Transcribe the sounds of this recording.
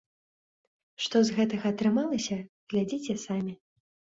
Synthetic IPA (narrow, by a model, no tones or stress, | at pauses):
ʂt̪ɔzɣɛt̪ɐɣɐɐːt̪ɾɨmalˠɐsʲɐ | ɣlʲad͡zʲit͡sʲɛsamʲi